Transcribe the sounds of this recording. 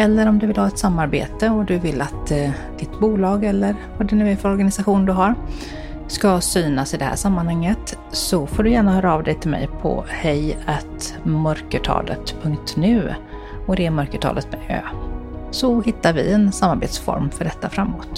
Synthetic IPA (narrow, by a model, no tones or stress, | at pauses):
ɛlːəɾɔmd̪ɵvɪlhɑːɛt̪samːaɾbḛːt̪əɔd̪ɵvɪlːat̪ | d̪̥ɪt̪buːlɑːɡɛlːəɾvaɖɛnʉ̟ːɛfœɾɔɾɡanɪsaɧuːnd̪ɵɦaɾ | skasyːnasɪd̪ɛhæ̰ʂamːanhaŋːət̪ | sɔfoːɖɵjæːɳahœːɾaɑːvd̪ɛjt̪ʰɪlmɛ̰jpʰɔ̰hɛjæt̪mœɾkəʈʰɑ̰ːlə̰t̪pʰɵŋk̚t̪nʉ̟ː | ɔd̪ɛːmœɾkəʈʰɑ̰ːlət̪mɛø̰ːsɔhɪt̪ːaɾvɪ̰ɛnsamːaɾbeːt̪sfɔ̰ɾmfœɖɛt̪ːafɾamːoːt̪